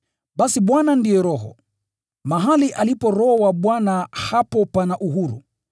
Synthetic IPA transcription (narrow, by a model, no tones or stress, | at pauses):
ɓasiɓwanandijɛɾɔɦɔ̰ | maɦaliʔalipɔɾɔhɔwaɓwanahapɔpanaʔuɦuɾṵ